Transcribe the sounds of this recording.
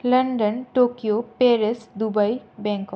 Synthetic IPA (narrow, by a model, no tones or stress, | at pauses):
lɐ̃ɳɖənʈoːkijopeːɾesd̪ubaibɛ̃ːŋkɔ